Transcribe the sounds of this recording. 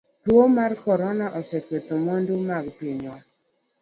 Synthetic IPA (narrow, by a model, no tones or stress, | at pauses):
twomarkɔɾɔnaʔɔsɛkwet̪omondumaɡpiɲɔ